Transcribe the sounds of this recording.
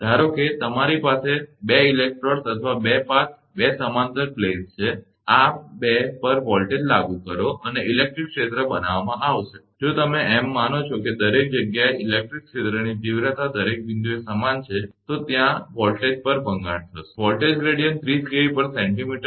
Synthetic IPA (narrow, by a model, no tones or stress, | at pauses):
d̪ʱaɾoket̪əmaɾipasebeilek̚ʈɾoɾsət̪ʰəʋabepãt͡ʃʰ | besəmant̪əɾplest͡ʃʰe | abepəɾʋɔlʈed͡ʒlaɡukəɾoʔəneɪlek̚ʈɾikʃet̪ɾəbənaʋamãʔaʋʃe̥ | d͡ʒot̪əmeemːanot͡ʃʰoked̪əɾek̚d͡ʒəɡjaeʔilek̚ʈɾikʃet̪ɾənid͡ʒiʋɾət̪ʰad̪əɾek̚ʋĩnd̪uesəmant͡ʃʰet̪ot̪jãʋɔlʈed͡ʒpəɾbʱə̃ŋɡa̰ɽ̃t̪ʰəʃʋɔlʈed͡ʒɡɾeɽijənt̪ʰɾiskeʋipəɾsẽɳʈimiʈə